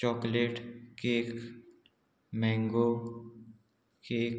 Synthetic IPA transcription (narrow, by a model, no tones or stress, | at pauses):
t͡ʃɔːkleːʈkek | mɛ̃ːŋɡo | keːk